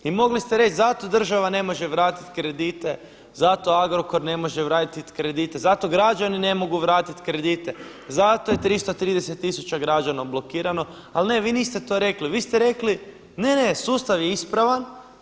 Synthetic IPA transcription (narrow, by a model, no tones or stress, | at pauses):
imo̞ɡlist̪eɾe̞t͡ʃzat̪o̞d̪r̩ʒaʋane̞mo̞ʒe̞ʋɾaːt̪i̥t̪kɾe̞d̪iːt̪e̞ | zat̪o̞aɡɾoko̞ɾne̞mo̞ʒeʋɾaːt̪t̪it̪kɾe̞d̪iːt̪e̞zat̪o̞ɡɾad͡ʒanine̞mo̞ɡuʋɾaːt̪it̪kɾe̞d̪it̪e̞ | zat̪o̞je̞t̪ɾist̪ot̪ɾiːd̪eset̪ːisut͡ʃaɡɾad͡ʒanablˠo̞kiːɾano̞ | alne̞ʋiːniːst̪e̞t̪o̞ɾe̞kliʋiːst̪eɾe̞kli | ne̞ne̞suːst̪aʋjeispɾaʋan